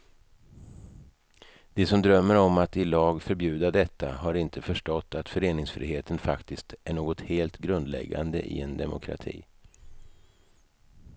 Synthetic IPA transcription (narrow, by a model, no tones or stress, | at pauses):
d̪̥ɛsɔmd̪ɾœmːəɾɔmat̪ɪlɑːɡfœɾbjʉ̟ːd̪ad̪ɛt̪ːa̰ɦaɾɪnt̪ʰəfœʂʈɔt̪ːat̪fœɾeːnɪŋsfɾḭːɦeːt̪ənfakt̪ɪst̪æɳoːɡɔt̪heːlt̪ɡɾɵnd̪lɛ̰ɡːa̰nd̪ə̰ʔɪ̰ɛnd̪ɛmʊkʰɾa̰t̪ʰḭː